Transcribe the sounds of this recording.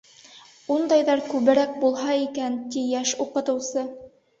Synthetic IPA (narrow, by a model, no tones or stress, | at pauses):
und̪ɑjðɑɾkʉβɘ̆ɾæk̚bulˠɦɑikænt̪ijæʃuqɤ̆t̪ɤ̆wsɤ